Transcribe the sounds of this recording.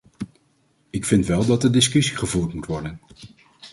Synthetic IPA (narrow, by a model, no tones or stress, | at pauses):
ɪkfɪntʋɛlˠdɑt̚dədɪskɵsiχəvuːɹtmutʋɔɹdən